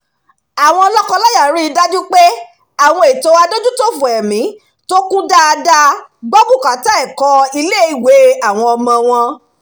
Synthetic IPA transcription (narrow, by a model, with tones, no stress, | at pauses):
a˨w̃ɔ̃˧ɔ˧lɔ˦kɔ̃˧lɔ˦ja˦˨˦ɾi˦i˧da˦d͡ʒu˦k͡pe˦ | a˦˨w̃ɔ̃˧e˨to˨˧a˧do˦d͡ʒu˦to˦fũ˨ɛ˨mĩ˨˦ | to˦kũ˦da˦˧da˦ɡ͡bɔ˦bu˦˨ka˨˦ta˦ɛ˦˨kɔ˧i˧le˦i˨we˨˦a˦˨w̃ɔ̃˧ɔ˧mɔ̃˧w̃ɔ̃˧